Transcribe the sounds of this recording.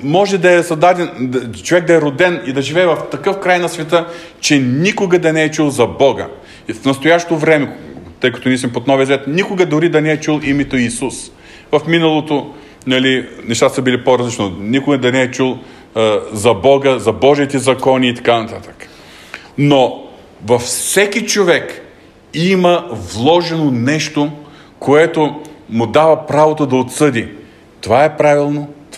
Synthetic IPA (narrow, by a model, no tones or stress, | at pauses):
mɔʒɛd̪ɐɛsɐd̪ad̪ɛnt͡ʃovɛɡ̚d̪ɐɛɾod̪ɛnid̪ɐʒivɛːvɐft̪ɐkɤfkɾajnɐsvʲɛt̪ə | t͡ʃɛnikʊɡɐd̪ɐnɛɛt͡ʃulˠzɐbɔɡə̰ | fnɐst̪ojaʃt̪ovɾɛmɛt̪ɤjkɐt̪oniəsmɛpot̪nɔvijəzvɛt̪nikʊɡəd̪oɾid̪ɐnɛɛt͡ʃulˠimɛt̪oisus | vɐfminɐlˠot̪o | nɐlinɛʃt̪at̪səbilipoɾɐzlit͡ʃnonikʊɡəd̪ɐnɛɛt͡ʃulˠ | zɐbɔɡəzɐbɔʒit̪ɛzɐkɔniːt̪ɐ̥kanɐt̪at̪ə̥kə̥ | no | vɐfsɛk̟it͡ʃovɛk | iməvlˠɔʒɛnonɛʃt̪o | koɛt̪omʊd̪avɐpɾavot̪od̪ɐot̪sɤd̪i | t̪ovaɛpɾavilˠnot̪